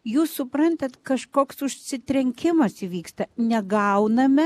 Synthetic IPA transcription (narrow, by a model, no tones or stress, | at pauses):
juːssʊpɾɐnʲt̪ʲɛt̪kɐʃkoːksʊʃʲsʲɪt̪ʲɾʲɛŋʲkʲɪmɐsiʋʲiːkst̪ɐnʲɛɡɐʊnɐmʲɛ